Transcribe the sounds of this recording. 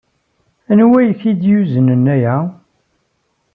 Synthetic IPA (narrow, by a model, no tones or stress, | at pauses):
ænwæjçid̪juzənənæjæ